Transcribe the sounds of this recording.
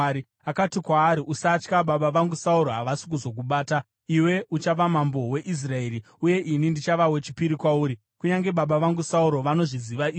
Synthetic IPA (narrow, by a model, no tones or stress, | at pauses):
ɾi | akatikwaːɾiʔusaːt͡ʃkaɓaɓaʋaŋɡusauɾoɦaʋasi̥k̬uzo̞k̬uɓaːta | iwe̞ʔut͡ʃaʋamambo̞we̞ʔis̬rae̞ri | uje̞ʔinindit͡ʃaʋawe̞t͡ʃi̥piɾikwauːɾi | kuɲaŋɡe̞ɓaɓaʋaŋɡusauɾo̞ʋano̞ʐiziʋaiː